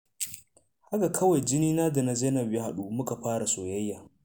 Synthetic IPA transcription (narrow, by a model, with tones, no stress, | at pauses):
ha˦ɡa˨kʰɐ˦wa˨jd͡ʒɪ˦niː˦naː˦da˨na˨zeː˦nɐ˨bje˦ha˨ɗu˦mʊ˦ka˨ɸaː˦ɾa˨soː˨jɐ˦jːaː˨